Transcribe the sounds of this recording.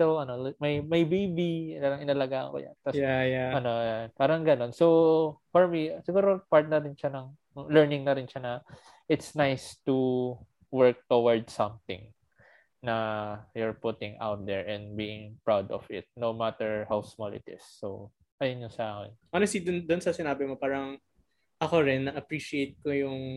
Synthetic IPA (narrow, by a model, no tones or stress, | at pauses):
t̪ɛlɐnolmɐjmɐjbejbipaːɾɐŋʔɪnɐlɐɡaːʔɐ̰ŋko̰jɐ̰nt̪ɐsajaʔɐno̞japaːɾɐŋɡɐno̞nsowfɔɹmisɪɡuːɾopaɹt̪̚nɐɾɪnʃanɐŋ | lɛɹnɪŋnɐɾɪnʃanɐ | ʔɪt̪snajst̪u | wɛɹk̚t̪owɐɹd̪sɐ̃mt̪ɪ̰̃ŋ | nɐjʊɹpʊt̪ɪ̃ŋʔa̰wt̪̚d̪ɛɹʔɛ̃nbiːɪ̃ŋpɹawd̪ɔ̰vɪ̰t̪̚nowmat̪ɛɹhawsmɐlɪ̰t̪ɪ̰sːo̰w | ʔɐjonɲosɐʔaːkɪ̰nʔɔnɛst̪id̪ʊnd̪ʊnsɐsɪnaːbɪmopaːɾɐŋ | ʔɐkoɾɪnːɐʔɐpɹiʃiejt̪̚kojʊŋ